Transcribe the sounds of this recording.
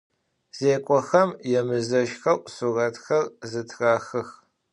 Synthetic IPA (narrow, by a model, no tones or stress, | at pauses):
z̥eːkʷʼɔxɐmjɛmɨzɐʃxɐʔʷʼsurɐtxɐrzɨtʰraːxɨx